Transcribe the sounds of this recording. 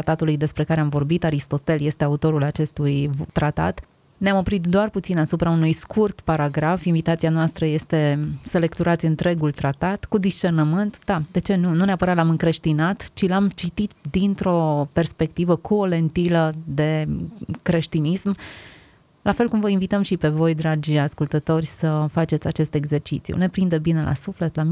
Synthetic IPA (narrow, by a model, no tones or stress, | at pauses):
at̪at̪ulujd̪e̞spɾe̞kaɾeamvo̞rbit̪aɾist̪o̞t̪e̞lje̞st̪eaut̪o̞ɾulat͡ʃe̞st̪ujt̪ɾat̪a̰t̪ | neamo̞pɾit̪d̪oarput̪sinasupɾaunujskʰurt̪paɾaɡɾafinvit̪at̪sianoast̪ɾəje̞st̪e̞sele̞kt̪uɾat̪sʲɨnt̪ɾe̞ɡult̪ɾat̪at̪kud̪ist͡ʃe̞rnəmɨnt̪d̪ad̪e̞t͡ʃe̞nununeapəɾat̪lamɨŋkɾe̞ʃt̪inat̪t͡ʃilamt͡ʃit̪it̪d̪int̪ɾo̞pe̞rspe̞kt̪ivəkʰuole̞nt̪iləd̪e̞kɾe̞ʃt̪inism | lafe̞lkumvəinvit̪əmʃipe̞vo̞jd̪ɾad͡ʒʲaskult̪ət̪o̞rʲsəfat͡ʃe̞t̪sʲat͡ʃe̞st̪e̞ɡze̞rt͡ʃit̪sjṵne̞pɾind̪əbine̞lʔa̰sufle̞t̪lam